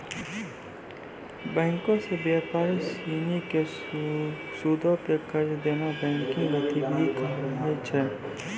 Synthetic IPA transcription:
bɛ̃ːŋkõsebjaːpaːɾesiːnike | suːd̪ʱõkekəɾd̪eːnabɛ̃ːŋkɪ̃ŋet̪ibʱikaːɦet͡ʃʰɛː

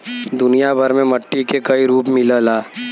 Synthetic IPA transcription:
d̪ʊnijabʱɐɾmẽmɐʈːikekɐiɾuːpmɪləlaː

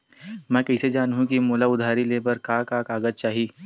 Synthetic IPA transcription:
mɛ̃ːkɛɪsed͡ʒaːnɦũkimoːlaʊd̪ʱaːɾileːbəɾkaːkaːkaːɡəd͡ʒt͡ʃaːɦiː

